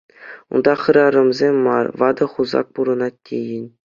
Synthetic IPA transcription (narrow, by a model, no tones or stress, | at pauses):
ṵnd̪ɑχɯ̆ɾɑɾɤ̆mzʲemʲːɑ̰rʋɑd̪ɤ̆χuzɑ̰k̚puɾɤ̆nɑtʲːejɘ̆nʲ